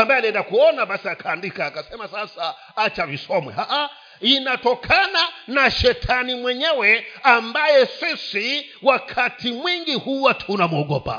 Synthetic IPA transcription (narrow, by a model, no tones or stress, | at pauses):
ambaɛaliɛndakuɔnaɓasiakʰaːndikaːkasɛmasasa | at͡ʃavisɔmwɛ̰haʔa | inatɔkʰananaʃɛtʰanimwɛɲɛwɛambajɛsisi | wakʰatʰimwiŋɡihuwatʰunamuɔɡɔpa̰